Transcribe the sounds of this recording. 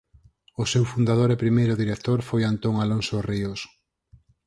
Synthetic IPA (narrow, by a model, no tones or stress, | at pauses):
ʊsewfund̪að̞oɾɛpɾimejɾʊðiɾek̚t̪oɾfojant̪oŋalonsorios